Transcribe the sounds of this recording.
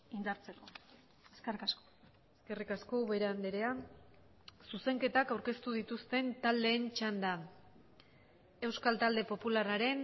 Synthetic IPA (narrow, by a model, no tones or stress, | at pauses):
ind̪aɾt͡seko̞ | eskerikasko̥ | eske̞rikasko̞βe̞ɾeand̪eɾe̞an | suse̞ŋke̞t̪akawɾke̞st̪uðit̪ust̪e̞nt̪ald̪e̞ːnt͡ʃand̪a | e̞wskalt̪ald̪e̞po̞pularaɾe̞n